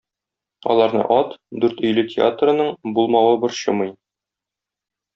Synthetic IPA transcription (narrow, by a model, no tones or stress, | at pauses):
ɒ̰lˠɑɾnɤ̰ʔɒt̪d̪ʉɾt̪ɵ̆jlɘtʲɪa̰t̪rɤ̆nɤɴbulˠmɑwɤbɤɾɕɤ̰̆mɤj